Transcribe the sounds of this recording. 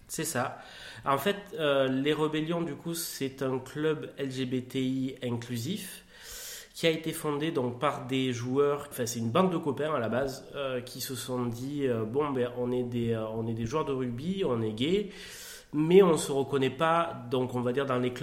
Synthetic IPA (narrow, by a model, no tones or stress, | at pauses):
sɛsa | ɑ̃fɛt̪øleʁəbɛljɔ̃d̪ykusɛt̪ɛ̃klœbɛlʒebet̪eiɛ̃klyzif | kʲiaet̪efɔ̃d̪ed̪ɔ̃k̚paʁd̪eʒuœʁɑ̃fɛ̃sɛt̪ynbɑ̃d̪̚ːəkɔpɛ̃alabazøkʲʰisəsɔ̃d̪iøbɔ̃bɛʔɔ̃nɛd̪eøɔ̃nɛd̪eʒuœʁd̪əʁyɡbiɔ̃nɛɡʲe | mɛɔ̃səʁəkɔnɛpad̪ɔ̃kɔ̃vad̪iʁd̪ɑ̃lekl